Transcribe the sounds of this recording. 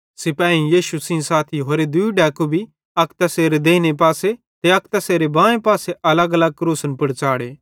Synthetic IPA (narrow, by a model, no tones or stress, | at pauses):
sɪpãːĩjiːʃusĩsaːt̪ʰiɦoːɾed̪ʊiɖɛːkubʱi | ɐkt̪ɐseːɾed̪eːnep̬aːse | t̪eɐk̚t̪ɐseːɾebãːẽpaːseʔɐləɡɐləɡ̚kɾuːsənpɐɽt͡ʃaːɽeː